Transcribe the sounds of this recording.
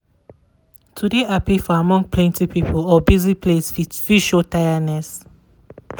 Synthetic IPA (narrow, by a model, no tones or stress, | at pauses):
tʰudeapifɔamɔ̃ŋpʰlɛ̃ntipipʰəlɔbizipʰlesfifiʃotajənɛs